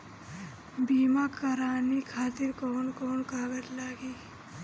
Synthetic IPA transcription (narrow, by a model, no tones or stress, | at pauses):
biːmakɐɾaːnikʰaːt̪iɾkoːnkoːnkaːɡəɾlaːɡi